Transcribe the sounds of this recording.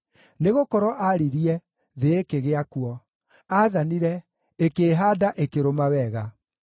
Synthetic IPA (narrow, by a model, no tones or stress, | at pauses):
neɣokɔɾɔʔaɾiɾiɛ | ðeːkeɣeakuɔ | aðaniɾɛ | ekeːɦaːdaʔekeɾomawɛɣa